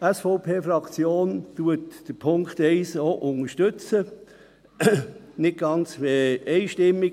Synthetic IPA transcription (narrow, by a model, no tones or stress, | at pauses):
æsfoʊpʰeːfɾɑkt͡sjoːntuətd̥əpʰʊŋkt̪ɛɪsoʔʊŋəʃtʏt͡sə | nɪt̚ɡ̥ɑnt͡sʋeɛɪʃtɪmːi